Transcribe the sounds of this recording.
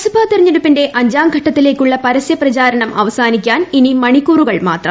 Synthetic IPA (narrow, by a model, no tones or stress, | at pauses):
subʰʱaːt̪irɐɲːɐɾupːinde̞ʔɐɲd͡ʑaːmɡʱɐʈːɐt̪ːile̞ːkʲːuɭːɐpɐɾɐsjɐprɐt͡ɕaːɾɐɳɐmɐ̰ʋɐsaːnikʲːaːninimɐɳikːuːruɣɐɭma̰ːt̪rɐ̰m